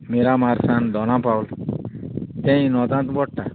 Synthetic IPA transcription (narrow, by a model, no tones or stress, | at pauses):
meɾamaɾsand̪ɔnapawl | t̪ɛ̃j̃nɔt̪ãnt̪bɔʈ̚ʈa